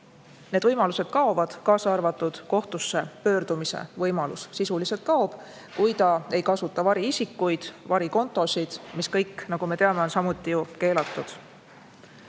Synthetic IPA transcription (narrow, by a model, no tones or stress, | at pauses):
ne̞d̪vɤjmɑluse̞d̪̥kɑo̞vɑd̪̥kɑːsɑrvɑt̪ːˑud̪̥ko̞ht̪usːe̞pø̞ːɾd̪̥umisḛvɤjmɑlussisulise̞t̪̚kɑob̥ | kujt̪ɑe̞jkɑsut̪ːˑɑvɑɾiisikːˑujd̪̥vɑɾiko̞nt̪ːˑo̞sid̪̥miskɤjkːnɑɡ̥ume̞t̪e̞ɑme̞onsɑmut̪ːˑijuke̞ːlɑt̪ːˑud̪̥